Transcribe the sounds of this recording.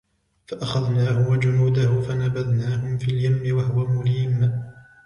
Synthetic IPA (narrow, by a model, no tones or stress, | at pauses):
faʔaxaðnaːhʊwad͡ʒʊnuːd̪ahʊfanabaðnaːɦʊmfiːljamːɪwahʊwamʊliːm